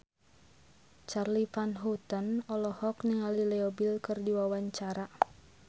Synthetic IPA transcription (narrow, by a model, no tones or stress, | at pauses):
t͡ʃarlifanɦut̪ənɔlɔhɔkniŋalilɛɔbilkɨrdiwawaɲt͡ʃaɾa